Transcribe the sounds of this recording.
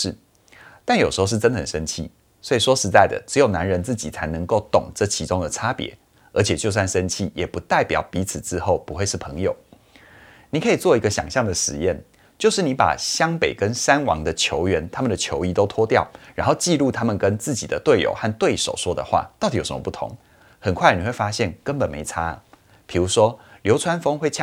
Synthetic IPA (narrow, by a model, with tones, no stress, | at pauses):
ʂɻ̩˥˩ | t̪a˥˩njʂ̩˧˥xo˥˧ʊʂɻ̩˥˩ʈ͡ʂə˥ndə˨˩ə̰˨˩ʂə˦˥nt͡ɕʰi˥˩ | swɔ˧˥i˨˩ʂwɔ˥ʂɻ̩˧˦t͡sa˥˩ɪd̪ə̰˩ʈ͡ʂɻ̩˧˥jo˨˩ʊna˧˦˥nɻə˧˥nt͡sɹ̩˥˩t͡ɕḭ˨˩t͡sʰa˧˥ɪnɤ˧˦ŋko˥˩ʊt̪ʊ˨˩ŋʈ͡ʂɤ˥˩t͡ɕʰi˧˥ʈ͡ʂʊ˥ŋd̪ə˨ʈ͡ʂʰa˥pjɛ̰˧˥˦ | ə̰˧˥t͡ɕʰjɛ˨˩t͡ɕjo˥˧ʊs̬wa˥˩nʂə˥nt͡ɕʰi˥˩jɛ˨˩pu˧˦t̪a˥˩ɪpjɑ̰˨˩ʊpi˧˥t͡sʰɹ̩˨˩ʈ͡ʂɻ̩˥xo˥˩ʊpu˧˥xwe˥˧ɪʂɻ̩˥˩pʰɤ˧˥ŋjo˨˩ʊ | ni˨˩kʰɤ˧˥i˨˩t͡swɔ˥˩i˧˥ɡə˧ɕjɑ̰˨˩ŋɕjɑ˥˩ŋd̪ə˩ʂɻ̩˨˧˦jɛ˥˩n | t͡ɕjo˥˧ʊʂɻ̩˥˩ni˧˥pa̰˨˩ɕjɑ˥ŋpe˨˩ɪkə˦nsa˦˥nwɑ̰˧˥ŋd̪ə˨t͡ɕʰjo˧˥ʊɥɛ˧˥nt̪ʰa˥mə˨nd̪ə˨˩t͡ɕʰjo˧˥ʊi˥t̪o˥ʊt̪ʰwɔ˥t̪jɑ˥˨˩ʊɻa̰˧˥nxo˥˧ʊt͡ɕi˥˧lu˥˧t̪ʰa˥mə˨nkə˦nt͡sɹ̩˥˩t͡ɕi˨d̪ə˦t̪we˥˩ɪjo̰˨˩ʊxa˥˧nt̪we˥˩ɪʂo̰˨˩ʊʂwɔ˥d̪ə̰˨xwa̰˥˩t̪ɑ˥˩t̪i˨jo˨˩ʂə˦mə˧pu˥˩t̪ʰʊ̰˧˦ŋ | xə˨˩nkʰwa˥˩ɪni˨˩xwe˥˩ɪfa˥ɕjɛ˥˩nkə˦npə˨˩nmḛ˧˥ɪt͡sʰa˥ | pʰi˨˩ɻu˧˥ʂwɔ˥ljo˧˥ʊt͡sʰwa˥nfɤ˥ŋxwe˥˩t͡ɕʰ